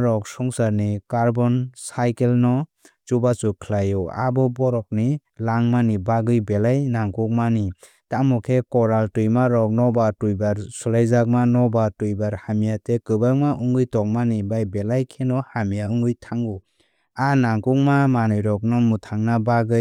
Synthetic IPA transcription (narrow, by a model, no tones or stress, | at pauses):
ɾɔk̚sɔŋsaɾnikaɾbɔnsajkelnɔ | t͡ʃubat͡ʃukʰlajɔa̰bɔbɔɾɔk̚ni | laŋmanibaɡɯjbelajnaŋkuk̚mani | tamɔkʰekɔɾaltujmaɾɔk̚nɔbatujbaɾsulajzak̚manɔbatujbaɾhamijatʰekɯbakmaʔuŋɡɯjtɔk̚manibajbelajkʰenɔhamijauŋɡɯjtʰaŋu | anaŋkuŋ̚mamanɯjɾɔk̚nɔmutʰaŋnabaɡɯj